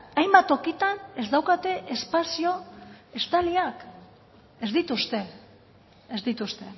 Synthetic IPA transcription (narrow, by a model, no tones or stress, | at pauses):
ajmbat̪o̞kit̪ane̞zd̪awkat̪e̞ʔespasio̞e̞st̪aliak | ezd̪it̪ust̪e̞ː | zd̪it̪ust̪e̞